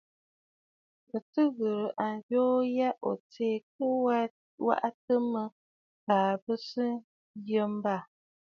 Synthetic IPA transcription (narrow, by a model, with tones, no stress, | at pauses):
bə˨tɨ˦ɣə˨ɾɨ˨ʔa˨n˨d͡ʒoː˦ja˦ʔo̰˨t͡seː˨k̚ə˦ | wa̰˦ʔa˦tə˦mə˦ | paː˨bə˦sɨ˦ | jə˦m˦ba˦˨